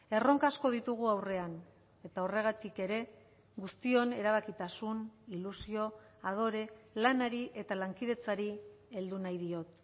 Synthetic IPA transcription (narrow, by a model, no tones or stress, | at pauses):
e̞ro̞ŋkasko̞ð̞it̪uɣ̞uawre̞an | e̞t̪ao̞re̞ɣ̞at̪ike̞ɾe̞ | ɣust̪io̞ne̞ɾaβ̞akit̪asunilusio̞ | að̞o̞ɾe̞lanaɾiʔe̞t̪alaŋkið̞e̞t͡saɾie̞ld̪unajðio̞t̪